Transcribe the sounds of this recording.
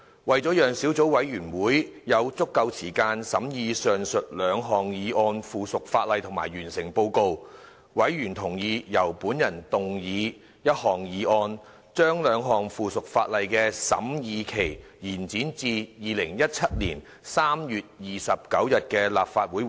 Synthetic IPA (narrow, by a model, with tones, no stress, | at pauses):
wɐ˨jt͡sɔː˨˥jœː˨˩ŋsiː˨˥wt͡so˨˥wwɐ˨˥jjyː˨˩nwuː˨˥j | jɐ˨˧wt͡sʊ˥kːɐ˧wt͡sʰiː˨˩kaː˧nsɐ˨˥mjiː˨˧sœː˨ŋsɵ˨t̚lœː˨˧ŋɦɔː˨˩ŋjiː˨˧˥ʔɔː˧nfuː˨sʊ˨k̚faː˧t̚lɐ˨˧jt̪ʰŋma̰ː˨˩jɥyː˨˩nsɪ˨˩ŋpo˧wko˧w | wɐ˨˥jɥyː˨˩nt̪ʰʊ˨˩ŋjiː˧jɐ˨˩wpuː˨˥njɐ˨˩nt̪ʊ˨ŋjiː˨˧ | jɐ˥t̚hɔː˨ŋjiː˨˧ʔɔː˧n | t͡ʃœː˥ŋlœː˨˧ŋɦɔː˨˩ŋfuː˨sʊ˨k̚faː˧t̚lɐ˨jkɛː˧sɐ̰˨˥mjiː˨˧kʰe˨˩j | jiː˨˩nt͡siː˨˥nt͡siː˧jiː˨˧lɪ˨˩ŋjɐ˥t̚t͡sʰɐ˥t̚lḭː˨˩n | saː˥mjyː˨t̚jiː˨sɐ˨p̚kɐ˨˥wjɐ˨t̚kɛː˧la̰ː˨p̚faː˧t̚wuː˨˥j